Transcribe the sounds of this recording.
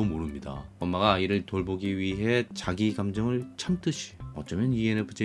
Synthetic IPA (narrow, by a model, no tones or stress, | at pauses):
omoɾɯmɲida̰ʌmːaɡaiɾɯɭtoɭboɡiɥiɦe̞t͡ɕaɡiɡamd͡ʑʌŋɯɭt͡ɕʰamt͈ɯɕʰi̥ʌt͡ɕ͈ʌmjʌnienepʰɯt͡ɕ͈e